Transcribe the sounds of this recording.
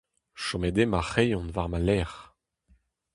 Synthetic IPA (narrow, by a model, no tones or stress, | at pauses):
ʃɔmed̪emaχejɔ̃nvaʁmalɛːʁ